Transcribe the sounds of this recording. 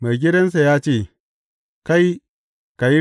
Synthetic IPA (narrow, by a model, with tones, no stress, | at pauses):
ma˨jɡ̬ʲɪ˦dɐ˦ns̬a˨jaː˦t͡ʃeː˦˨ | ka˦j | ka˨ji˦